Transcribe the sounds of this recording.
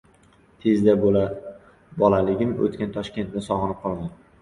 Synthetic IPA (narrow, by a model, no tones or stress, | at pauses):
t̪ʰe̞zd̪abola | bɒlalɪɡʲɪmo̰t̪kʲant̪ʰɒʃkʲe̞nt̪nɪsɒʁɨnɪp̚qʰɒlˠd̪an